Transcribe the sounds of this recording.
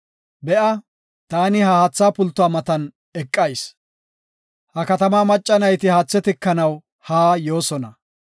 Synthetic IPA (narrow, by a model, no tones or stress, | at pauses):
bɛʔɐ | t̪aːnɪhɐhat͡sːaːpʊlt̪ːʊwaːmɐt̪ɐn | ɛkʼːɐjs | hɐkɐt̪ɐmaːmɐt͡ʃʼːɐnɐjt̪ɪhɐːt͡sːɛt̪ɪkːɐnɐw | haːjo̞ːsɔnɐ